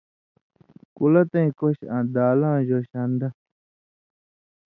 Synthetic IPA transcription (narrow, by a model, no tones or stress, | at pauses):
kulɐt̪ẽĩkoɕãːd̪aːlãːʑoːɕand̪ɐ